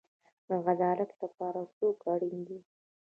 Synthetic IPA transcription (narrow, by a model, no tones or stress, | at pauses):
d̪əɣazɑlat̪ləpɑɾat͡sokaɽind̪i